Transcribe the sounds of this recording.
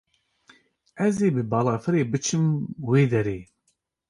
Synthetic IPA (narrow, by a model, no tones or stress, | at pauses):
ɛzeːbɨbɑːlɑːfɨɾeːbɨt͡ʃʰɨmweːd̪ɛɾeː